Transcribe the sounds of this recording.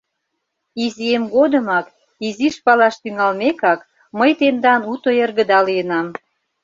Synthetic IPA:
iziemɡod̪əmɑk | iziʃpɑlɑʃt̪yŋɑlmekɑk | məjt̪end̪ɑnut̪oerɣə̆d̪ɑlijənɑm

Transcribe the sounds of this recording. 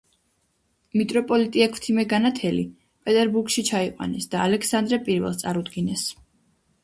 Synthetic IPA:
mit̪ʼɾɔpʼɔlit̪ʼiakʰt̪ʰimɛɡanat̪ʰɛli | pʼɛt̪ʼɛɾbuɾkʃit͡ʃʰaiqʼwa̰nɛsd̪̥aːlɛkʰsand̪ɾɛpʼiɾvɛ̰lˠst̪sʼaɾud̪ɡinɛs

